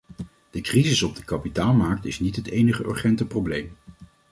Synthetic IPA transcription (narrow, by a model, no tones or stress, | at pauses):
d̥əkrizɪsɔb̚dəkɑpitaːlˠmaɹk̚tɪsnitɦətejnəχəʔʏ̰ɹχɛntəprowblejm